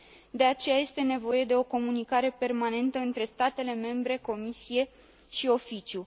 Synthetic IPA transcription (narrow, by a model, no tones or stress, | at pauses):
d̪e̞at͡ʃe̞jaje̞st̪e̞ne̞vo̞je̞d̪e̞o̞ko̞munikaɾe̞pe̞rmane̞nt̪əɨnt̪ɾe̞st̪at̪e̞le̞me̞mbɾe̞ko̞misije̞ | ʃio̞fit͡ʃju